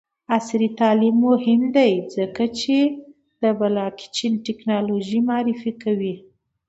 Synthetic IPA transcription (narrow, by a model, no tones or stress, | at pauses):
asɾit̪ɑlimːohɪmd̪ajd͡zəkat͡ʃe | d̪̥əbalɑki̥t͡ʃinʈɪknɑloʒimɑɾɪfikawi